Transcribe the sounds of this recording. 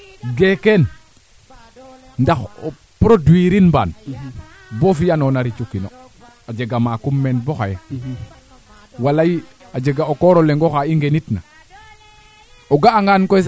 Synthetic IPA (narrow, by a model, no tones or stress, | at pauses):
ɡeken | ndaxo̰ | pɾodwiɾinba̰ːn | bofijanonaɾit͡ʃukino | ad͡ʒeɡamakumːen̚boxaje | walaji | ad͡ʒeɡaokoɾoleŋɡoxaiŋɡenitna̰ | oɡaːŋɡankos